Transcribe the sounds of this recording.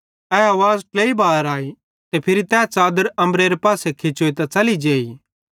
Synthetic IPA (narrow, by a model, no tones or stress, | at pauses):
ɛaːʋaːzʈleːibaːɾaːi | t̪epʰɪɾit̪ɛːt͡saːd̪əɾɐ̃mɾeːɾepaːsekʰet͡ʃoet̪at͡sɐlid͡ʒeːiː